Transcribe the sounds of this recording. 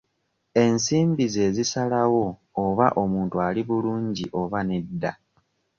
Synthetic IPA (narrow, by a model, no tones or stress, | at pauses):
e̞nsiːmbize̞zisalawo̞ːβa̰ʔo̞muːntualiβuluːɲɟiʔo̞βane̞dːa̰